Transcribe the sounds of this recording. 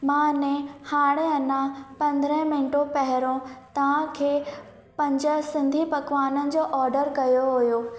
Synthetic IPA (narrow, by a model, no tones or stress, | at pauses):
mãːnẽhaːɽ̃ẽɐnãpɐ̃nd̪ɾə̃ɦmɪ̃ɳʈopɐɦɪɾõt̪ɐʋ̤ãkʰeː | pɐ̃ɲd͡ʑəsɪ̃nd̪ʱipɐkʋaːnənɪ̆d͡ʑoːʔɔːɾɖəɾkɐjoɦʊjoː